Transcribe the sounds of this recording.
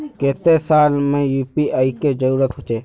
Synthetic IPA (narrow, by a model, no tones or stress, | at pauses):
keːt̪eːsaːlmẽːjuːpiːʔaːikeːd͡ʒəɾuːɾət̪ɦʊt͡ʃeː